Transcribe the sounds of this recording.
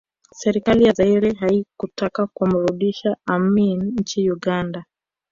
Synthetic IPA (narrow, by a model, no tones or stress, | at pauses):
sɛɾikalijazaiɾɛɦaikutakakwamuɾuɗiʃaaminɲ̩t͡ʃiuɠanda